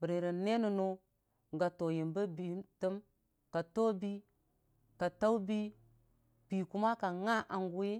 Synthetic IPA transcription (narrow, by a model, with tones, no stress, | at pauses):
bə˨ɾe˨ɾə˨ne˦nu˨no˦ | ɡa˨to˨ji˨mbə˦bi˨˦tə˦m | ka˨to˦bi˦ | ka˨ta˦u˦bi˦ | b̥i˨ku˦ma˦ka˨ŋa˦ʔa˨ŋɡu˦ji˦